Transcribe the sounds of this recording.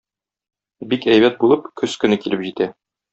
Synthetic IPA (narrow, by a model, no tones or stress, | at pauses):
bikæjbæt̪̚bulˠɤpkʰɵskɵ̆nɘkilɘpʑit̪æ